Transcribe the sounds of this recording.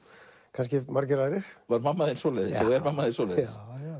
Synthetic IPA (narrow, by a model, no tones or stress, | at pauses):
kʰanscɪmaɾcɪɾaðɾɪɾ̥vaɾmamːaðɪnsɔlɛðɪsɔɣɛɾmamːaðɪnsɔlɛðɪs